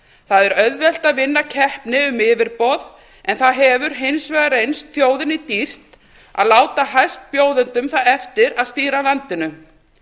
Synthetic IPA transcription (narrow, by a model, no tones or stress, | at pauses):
θaðɛɾœðvɛl̥t̪aðvɪnːacʰɛhpnɪʏmɪːvɪɾpɔð | ɛnθaðɦɛvʏɾ̥ɦejnsvɛɣaɾejnst̪θjoːwðɪnːɪt̪ir̥t̪ | a̰ðlaːwt̪aɦajst̪̚pjoːwðʏnt̪ʏmθaðɛft̪ɪɾaðst̪iːɾalant̪ɪnʏ